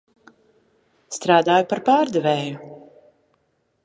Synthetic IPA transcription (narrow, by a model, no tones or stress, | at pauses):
st̪ɾaːd̪aːjupaɾpaːɾd̪ɛvɛːju